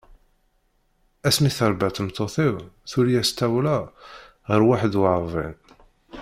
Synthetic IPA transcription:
æsmiθəɾˤbæt̪əmt̪ˤːoθiwθulijæst̪æwlæ | ʁəɾwaħəd̪waʕɾˤvˤɪ̰n

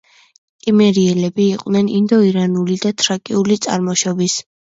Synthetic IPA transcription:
kʼimɛɾiɛlɛbiːqʼnɛnind̪ɔiɾanulid̪at̪ʰɾakʼiulit̪sʼa̰ɾmɔʃɔbis

